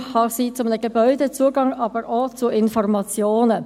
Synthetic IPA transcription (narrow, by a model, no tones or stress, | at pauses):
hɑsiːt͡sʊmnəɡəbœʏdət͡suːəɡɑŋɑːbəɾʔot͡suɪnfɔrmɑt͡sjoːnə